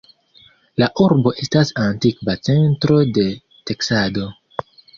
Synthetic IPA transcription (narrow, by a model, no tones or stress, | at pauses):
laʔuɾbo̞ʔe̞stasantikvat͡se̞ntɾo̞de̞ | te̞ksado̞